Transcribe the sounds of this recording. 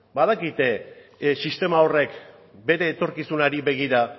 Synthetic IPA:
baðakit̪esist̪e̞mao̞re̞k | be̞ɾe̞ːt̪o̞ɾkisunaɾiβe̞ɣ̞iɾa

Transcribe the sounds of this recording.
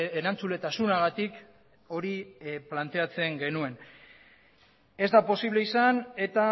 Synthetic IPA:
eɾant͡sule̞t̪asunaɣat̪ik | o̞ɾiplant̪e̞at͡se̞ŋɡe̞nue̞n | e̞zd̪apo̞siβle̞isane̞t̪a

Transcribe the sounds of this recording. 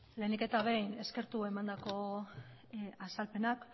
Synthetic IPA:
le̞nike̞t̪aβe̞jne̞ske̞ɾt̪ue̞mand̪ako̞ | asalpe̞nak

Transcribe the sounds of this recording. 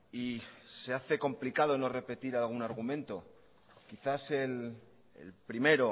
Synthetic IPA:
ise̞aθe̞ko̞mplikað̞o̞no̞re̞pe̞t̪iɾalɣ̞unaɾɣ̞umẽ̞nt̪o̞ | kiθase̞l | ḛlpɾime̞ɾo

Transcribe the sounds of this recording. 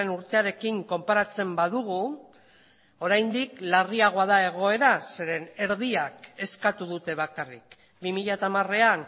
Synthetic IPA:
enuɾt̪e̞aɾe̞kiŋko̞mpaɾat͡se̞mbaðuɣu | o̞ɾajnd̪iklariaɣ̞o̞aðae̞ɣ̞o̞e̞ɾase̞ɾe̞ne̞ɾðiake̞skat̪uðut̪e̞β̞akarik | bimiʎat̪amare̞an

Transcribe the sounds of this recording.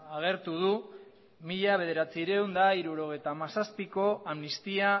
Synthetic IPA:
aɣ̞e̞ɾt̪uð̞u | miʎaβ̞e̞ð̞e̞ɾat͡siɾewnd̪aiɾuɾo̞ɣ̞e̞jt̪amasaspiko̞amnist̪ia

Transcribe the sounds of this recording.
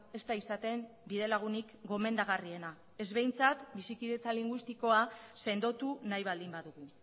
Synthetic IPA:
e̞st̪aisat̪e̞mbiðe̞laɣ̞unikɡo̞me̞nd̪aɣ̞arie̞na | e̞zβe̞jnt͡sat̪bisikiðe̞t͡saliŋɡwist̪iko̞ase̞nd̪o̞t̪unajβ̞ald̪imbaðuɣ̞u

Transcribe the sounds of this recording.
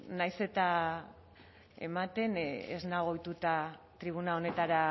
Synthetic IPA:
najse̞t̪a | e̞̰mat̪e̞nḛznaɣ̞o̞jt̪ut̪at̪ɾiβ̞unao̞ne̞t̪aɾa

